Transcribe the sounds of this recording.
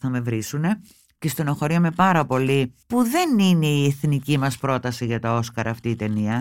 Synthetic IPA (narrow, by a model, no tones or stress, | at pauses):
θɐme̞vɾisune̞ | cest̪onoxo̞ɾiɐme̞pɐɾɐpo̞lipuðe̞nine̞ieθnicimɐspɾo̞t̪ɐsiʝɐt̪ɐo̞skɐɾɐːft̪iːt̪e̞niɐ